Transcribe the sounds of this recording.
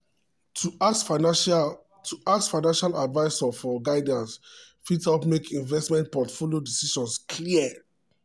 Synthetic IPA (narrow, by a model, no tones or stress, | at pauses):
tʰuasfaɪnãnʃaladvaɪsɔfɔɡaɪdãns | fitɔpmekʰĩnvɛstmɛ̃ntpɔtfolijodisiʃɔ̃nskʰliə